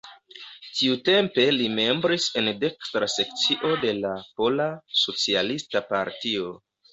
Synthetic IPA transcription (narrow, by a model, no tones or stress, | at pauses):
tiute̞mpe̞lime̞mbɾise̞nde̞kstɾase̞k̚t͡siʔo̞de̞lapo̞laso̞t͡sialistapa̰ɾtio̞